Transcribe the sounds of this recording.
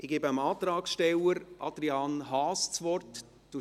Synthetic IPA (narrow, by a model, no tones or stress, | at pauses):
ʔɪɡ̥eːbəəmɑːt̪ɾɑːksʃtɛləɾʔɑ̰d̥̪ɾiɑːnɦɑːst͡sʋɔrt | d̥u